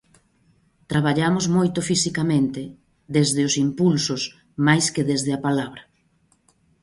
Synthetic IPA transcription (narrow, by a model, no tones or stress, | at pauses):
t̪ɾaβ̞aʎamʊzmojt̪ʊfisikamẽnt̪ɪ | ðezðɪʊsimpulsʊs | majskɪðezðɪapalaβɾɐ